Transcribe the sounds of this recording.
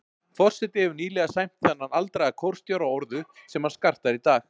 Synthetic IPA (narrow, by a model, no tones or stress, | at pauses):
fɔr̥sɛt̪ɪɛvʏɾniːlɛɣasajm̥t̪θɛnːanalt̪ɾajakʰɔwɾ̥st̪jawɾaɔɾðʏsɛmhanskar̥t̪aɾit̪aːx